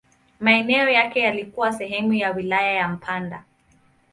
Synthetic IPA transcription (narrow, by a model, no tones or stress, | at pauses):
maɛnɛɔjakɛjalikuwasɛɦɛmujawilajajam̩pʰanda